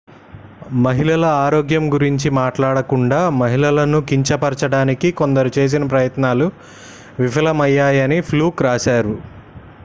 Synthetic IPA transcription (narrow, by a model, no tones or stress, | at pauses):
mɐɦilɐlɐaːɾoːɡjɐmɡuɾiɲt͡ʃimaːʈlaːɽɐkuɳɖaːmɐɦilɐlɐnukiɲt͡ʃɐpɐɾt͡ʃɐɽaːnikiko̞nd̪ɐɾut͡ʃe̞ːs̬inɐp̬ɾɐjɐt̪naːlu | ʋipʰɐlɐmɐjːaːjɐnipʰluːkɾaːʃaːɾu